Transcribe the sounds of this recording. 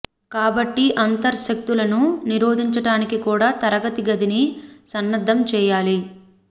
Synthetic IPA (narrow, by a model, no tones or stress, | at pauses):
kaːbɐʈːiʔɐnt̪ɐɾʃɐk̚t̪ulɐnuniɾoːd̪ʱiɲt͡ʃɐɽaːnikikuːɽaːt̪ɐɾɐɡɐt̪iɡɐd̪inisɐnːɐd̪ʱːɐmt͡ʃɛːjaːli